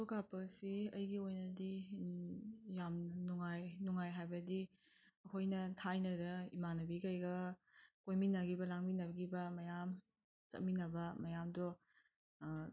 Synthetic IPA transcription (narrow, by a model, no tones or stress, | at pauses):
tokapɐsiɐjɡiojnɐdi | jamnuŋajnuŋajɦajbɐdi | ɐkʰojnɐtʰajnɐdɐimanɐbikɐjɡɐkojminɐɡibɐlaŋminɐɡibɐmɐjam | t͡ʃɐ̰t̚minɐbɐmɐjamdɔ